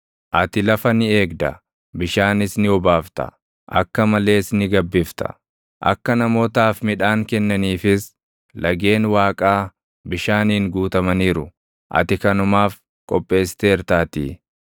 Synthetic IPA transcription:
ʔɐt̪ɪlɐfɐnɪe̞ːɡd̪ɐ | bɪʃaːnɪsnɪɔbaːft̪ɐ̰ | ʔɐ̰kːɐmɐle̞ːsnɪɡɐbːɪft̪ɐ̥̰ | ʔɐ̰kːɐnɐmo̞ːt̪aːfmɪᶑaːŋkɛnːɐniːfɪs | lɐɡe̞ːnwaːkʼaː | bɪʃaːniːŋɡuːt̪ɐmɐniːɾʊ | ʔɐ̰t̪ɪkɐnʊmaːf | kʼɔpʼːe̞ːst̪e̞ːɾt̪aːt̪ḭː

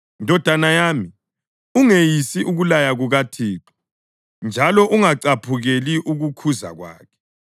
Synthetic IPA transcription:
ndʱɔd̥ʱanajaːmi | uŋejisiʔuɣulajaɣuɣatʰiːǁɔ̥ | nd͡ʒʱalɔʔuŋaǀapʰuɣeliʔuɣukʰuza̰ɣwa̰ːkʰɛ̥

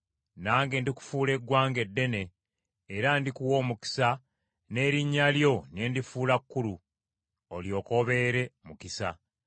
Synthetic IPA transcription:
naːŋɡe̞ndiku̥fuːle̞ɡwaːŋɡe̞dːe̞ne̞ː | ɾandikuwo̞ːmuki̥sa | ne̞ːɾiɲːaljo̞ne̞ːndifuːlakːulu | oljo̞ːko̞βe̞ɾe̞mukisa̰

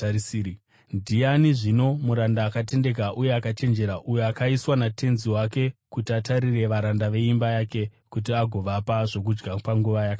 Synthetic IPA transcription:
ndʱijaniʐino̞muɾandaːkate̞nde̞k̬aʔuje̞akat͡ʃe̞nd͡ʒe̞ɾaʔujo̞akaiswanatʰe̞nziwake̞kutiataɾire̞ʋaɾandaʋe̞imbajake̞ | kut̬iaɡʱo̞ʋapaʐo̞k̬ud͡ʒɡapaŋɡuʋajaka

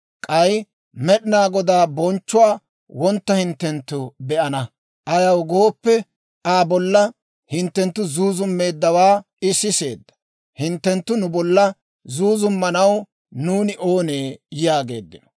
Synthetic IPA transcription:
kʼɐj | mɛɗɪnaːɡɔd̪aːbɔnt͡ʃːʊaː | wɔnt̪ːɐhɪnt̪ːɛnt̪ːʊbɛʔɐnɐ | ʔɐjɐwɡo̞ːpːɛ | aːbɔlːɐ | hɪnt̪ːɛnt̪ːʊzuːzʊmːe̞ːd̪ːɐwaː | ɪsːɪse̞ːd̪ːɐ̥ | hɪnt̪ːɛnt̪ːʊnʊbɔlːɐ | zuːzʊmːɐnɐw | nuːnɪʔo̞ːneːjjaːɡe̞̰ːd̪ːɪnɔ̥

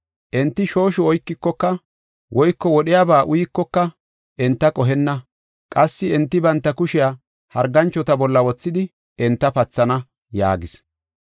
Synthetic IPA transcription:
ʔɛnt̪ːɪʃo̞ːʃɔɔjkːɪkːɔkːɐ | wʔɔjkːɔwɔɗɪjaːbaːʔʊjɪkːɔkːɐ | ʔɛnt̪ːɐkʼɔɦɛnːɐ | kʼɐsːɪɛnt̪ːɪbɐnt̪ːɐkʊʃɪja | hɐɾɡɐnt͡ʃːɔt̪ɐbɔlːɐwɔt͡sːɪd̪ɪ | ɛnt̪ːɐpɐt͡sːɐnɐ | ja̰ːɡɪs

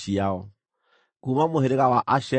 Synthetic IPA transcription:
iaɔ | kumamoheɾeɣawaʔaʃɛ

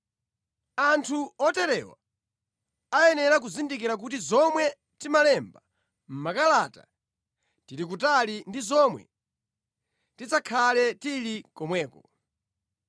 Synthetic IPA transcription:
antʰuɔtɛɾɛwa̰ | ajɛnɛɾak̬uzindik̬iɾak̬utizɔmwɛ | timalɛmba | m̩makalata̰ | tilik̬utalindizɔmwɛ̰ | tit͡sakʰalɛtilikɔmwɛːkɔ

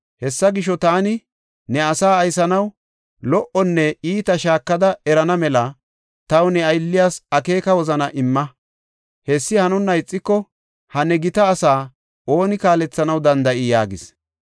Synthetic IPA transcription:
hɛsːɐɡɪʃːɔt̪aːnɪ | nɛɐsaːɐjsɐnɐw | lɔʔɔnːɛiːt̪ɐʃaːkːɐd̪ɐɛɾɐnɐmɛlɐ | t̪ɐwnɛɐjlːɪjaːsɐke̞ːkɐwɔzɐnɐʔɪmːɐ | hɛsːɪhɐnʊnːɐɪt͡sʼːɪkːɔ | hɐnɛɡɪt̪ɐːsaː | o̞ːnɪkaːlɛt͡sːɐnɐwd̪ɐnd̪ɐʔɪjaːɡɪs

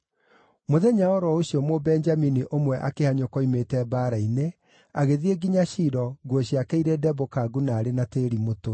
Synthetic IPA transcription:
moðɛɲaɔɾɔoɕiɔmobɛnd͡ʒaminiʔomwɛʔakehaɲokɔimetɛbaːɾaine | aɣeðieɡiɲaɕiɾɔɡɔɕijakɛiɾedɛbokaɡunaːɾenateːɾimoto

